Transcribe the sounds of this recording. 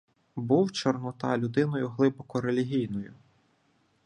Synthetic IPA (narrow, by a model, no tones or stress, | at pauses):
buwt͡ʃɔrnɔt̪ɑ̰lʲʊd̪ɪnɔjʊɦlˠɪbɔkɔɾelʲiɦʲijnɔjʊ